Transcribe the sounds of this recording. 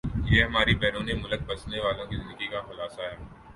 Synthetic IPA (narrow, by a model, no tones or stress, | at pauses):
jeːɦɐmaːɾibɛːɾũːnemʊlək̚bɐsneʋaːlõkizɪnd̪əɡikaxʊlaːsaɦɛː